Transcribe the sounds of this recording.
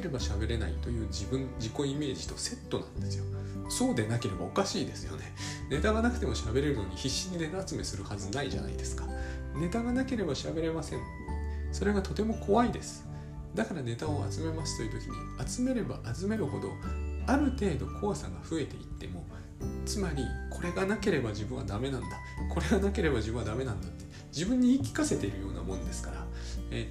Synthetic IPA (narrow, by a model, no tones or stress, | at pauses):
eɾe̞baɕabe̞ɾe̞na̰it̪o̞jɯ̟ːd͡ʑibɯ̟̃nd͡ʑiko̞ime̞ːʑi̥t̪o̞se̞t̪ːo̞nã̰nd̪e̞sɨjo̞so̞ːd̪e̞nake̞ɾe̞bao̞kaɕiːd̪e̞sɨjo̰ne̞ne̞t̪aɡanakɯ̟t̪e̞mo̞ɕabe̞ɾe̞ɾɯ̟no̞ɲ̟içiɕːiɲ̟ine̞t̪aat͡sɨme̞sɨɾɯ̟hazɨnaiʑa̰na̰ḭd̪e̞sɨ̥kḁne̞t̪aɡanake̞ɾe̞baɕabe̞ɾe̞masẽ̞ɴ | so̞ɾe̞ɡat̪o̞t̪e̞mo̞kʰo̞βaid̪e̞sɨ̥ | d̪akaɾane̞t̪ao̞a̰t͡sɨme̞masɨ̥t̪o̞jiɯ̟t̪o̞kʲiɲ̟ḭ | at͡sɨme̞ɾe̞baʔat͡sɨme̞ɾɯ̟ho̞d̪o̞aɾɯ̟t̪e̞ːd̪o̞kʰo̞βasã̰ŋɡaɸɯ̟e̞t̪e̞̰it̪ːe̞̰mo̞ | t͡sɨmaɾʲikʰo̞ɾe̞ɡanake̞ɾe̞baʑibɯ̃ɰ̃a̰d̪ame̞nãnd̪a | kʰo̞ɾe̞ɡanake̞ɾe̞baʑibɯ̟̃ad̪ame̞nãnd̪at̪ːe̥ | d͡ʑibɯ̟̃ɲ̟ːiːkʲi̥kase̞t̪e̞iɾɯ̟jo̞ːna̰mõ̞nd̪e̞sɨ̥kaɾa̰e